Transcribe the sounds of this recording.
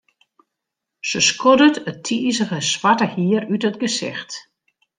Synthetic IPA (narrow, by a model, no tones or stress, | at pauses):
səskʰodətətʰiːsəɣəsʋatəhiərytətɡəsɪ̰xt